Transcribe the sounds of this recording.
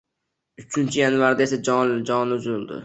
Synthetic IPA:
ʊt͡ʃʰɪnt͡ʃʰɪjanvaɾd̪ae̞sad͡ʒɒd͡ʒɒnʊzlˠd̪ɪ̰

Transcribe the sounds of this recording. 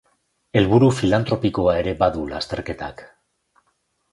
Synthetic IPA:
e̞lβuɾufilant̪ɾo̞piko̞ae̞ɾe̞baðulast̪e̞ɾke̞t̪a̰k

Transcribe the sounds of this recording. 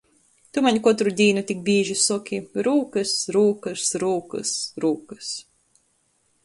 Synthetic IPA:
t̪umaɲʲkɔt̪ɾud̪ʲiːnut̪ʲik̚bʲiːʒisukʲʰiɾuːkɨsɾuːkɨsɾuːkɨ̰sɾuːkɨs

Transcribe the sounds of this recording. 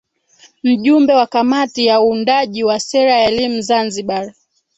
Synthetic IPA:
m̩ʄumbɛwakamatijauːndaʄiwasɛɾajaɛlimuzanziɓa

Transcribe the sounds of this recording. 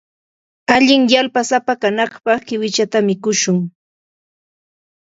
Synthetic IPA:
aʎɪŋjalpasapakanɑχpɑχkɪwɪt͡ʃat̪amɪkʊʃʊŋ

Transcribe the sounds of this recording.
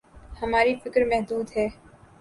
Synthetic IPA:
hɐmaːɾifɪkɾmɛɦd̪uːd̪ɦɛː

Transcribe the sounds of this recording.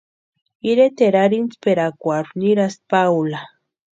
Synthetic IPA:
iɾet̪eɾaɾint͡speɾakʷaɾuniɾaspawla

